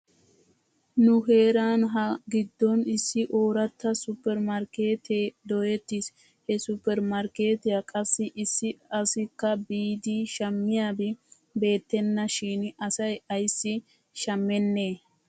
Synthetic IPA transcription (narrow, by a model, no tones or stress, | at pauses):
nʊhe̞ːɾaːnɦɐɡɪd̪ːɔnɪsːɪʔoːɾɐt̪ːɐsʊpːɛɾmɐɾkeːt̪eːd̪ɔjɛt̪ːɪs | hɛsʊpːɛɾmɐɾke̞ːt̪ɪjakʼɐsːɪʔɪsːɪɐsɪkːɐbiːd̪ɪʃɐmːɪjaːbɛ | be̞ːt̪ːɛnːɐʃiːnʔɐsɐjɐjsːɪ | ʃɐmːɛnːe̞ː